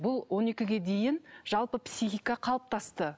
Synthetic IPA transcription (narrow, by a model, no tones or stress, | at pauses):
bʊlˠwʔo̞ne̞kʲɪɡʲe̞d̪e̞jɪnʒ̥ɑlˠpəpsʲixijkɑqʰɑlˠəp̚t̪ʰɑst̪ə